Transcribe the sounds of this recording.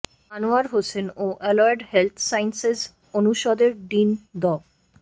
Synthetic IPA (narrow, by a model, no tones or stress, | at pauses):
anuaɾɦosenoʔɛlɔeɖhelt̪ʰsajnsez | onuʃɔd̪eɾɖind̪ɔ